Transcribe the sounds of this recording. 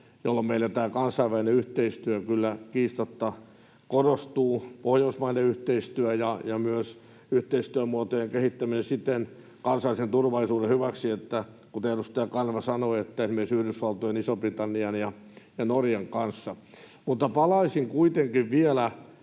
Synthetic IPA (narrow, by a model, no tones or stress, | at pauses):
jolːomeilːæt̪æːkɑnsɑiʋæineyht̪eist̪yækylːækiːst̪ot̪ːɑ | korost̪uːpohjousmɑineyht̪eist̪yæjɑjɑmyøs | yht̪eist̪yæmuot̪ojeŋkehit̪ːæminesit̪ːen | kɑnsɑlisent̪urʋɑlisuːdehyʋæksiet̪ːæ | kut̪eerust̪ɑjɑkɑnʋɑsɑnoiet̪ːæismiesyhrysʋɑlt̪ojenisoprit̪ɑnːiɑnjɑ | jɑnorjeŋkɑnsːɑ | mut̪ːɑpɑlɑisiŋkuit̪eŋkiʋʋielæ